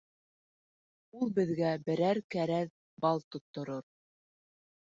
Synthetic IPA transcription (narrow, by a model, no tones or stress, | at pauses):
ulˠbɘ̆ðɡæbɘ̆ɾæɾkæɾæð | bɑlˠt̪ŏt̪ːŏɾoɾ